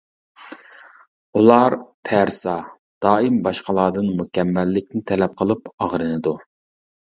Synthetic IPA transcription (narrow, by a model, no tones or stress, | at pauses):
ulˠɑɾt̪ʰæɾsɑ | d̪̥ɑːimbɑʃqɑlˠɑːd̪ɨnmukʲʰɛmːɛlːɪk̚ʲnɪt̪ʰɛlɛp̚qʰəlˠɨpɑʁɾɨnɨd̪u